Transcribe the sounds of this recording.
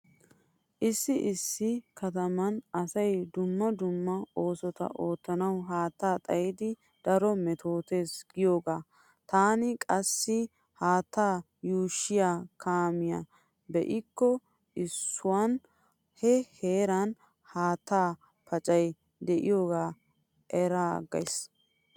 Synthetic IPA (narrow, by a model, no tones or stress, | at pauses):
ʔɪsːɪʔɪsːɪkɐt̪ɐmɐnɐsɐjd̪ʊmːɐd̪ʊmːɐo̞ːsɔt̪ɐ̰ʔo̞ːt̪ːɐnɐwɦaːt̪ːaːt̪ʼɐjɪd̪ɪ | d̪̥ɐɾɔmɛt̪o̞ːt̪e̞ːsɡɪjoːɡaː | t̪aːnɪkʼɐsːɪ | haːt̪ːaː | juːʃːɪjaːkʰaːmɪja̰ | bɛʔɪkːɔ | ɪsːʊwan | hɛhe̞ːɾɐn | haːt̪ːaː | pɐt͡ʃʼɐj | d̪ɛʔɪjo̞ːɡaː | ʔɛɾaɡɐ̰js